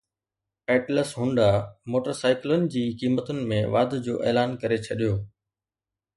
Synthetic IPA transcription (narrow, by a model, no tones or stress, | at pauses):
ɛːʈləsɦʊ̃ɳɖamoːʈəɾsaːɪklʊnɪ̆d͡ʑiːkiːmət̪ʊnɪ̆mẽʋaːd̪d͡ʑoːʔeːlaːnkɐɾet͡ɕʰɐɗijoː